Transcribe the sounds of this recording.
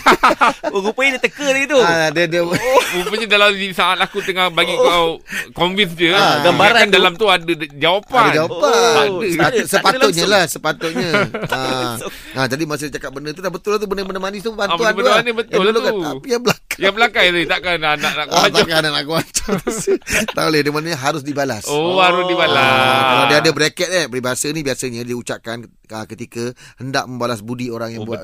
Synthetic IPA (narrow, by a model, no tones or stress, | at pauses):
ɾupəidiət̪əkəlait̪udədiəupəɲadaladisaŋat̪̚lakut̪əŋahbaɡiakoɱvinsd͡ʒədabaaɾaandalamt̪uadəd͡ʒawapand͡ʒawaaadəasəpaʊt̪̚ɲəlahsəpat̪ʊʔɲəa | ad͡ʒadimas̬idit͡ʃakap̚bənət̪ulabət̪ʊlat̪ubənəbənəmanist̪upəbanuanuanibət̪aʊldulukanapijabəlakajabəlakat̪it̪aʔkananaʔnaʔkːat̪akanaʔnaʔkuat͡ʃḁt̪sit̪a̰ʔolɪhdəŋəmanaɲəɦaɾʊs̬dibalasohaɾʊsdibalaaadəadəbəɾekɛt̪̚abəɾibasənibiasəɲədiut͡ʃaʔ̚kan | əkət̪ikəhənda̰ʔmə̃mbalasbudioɾaŋjaŋbua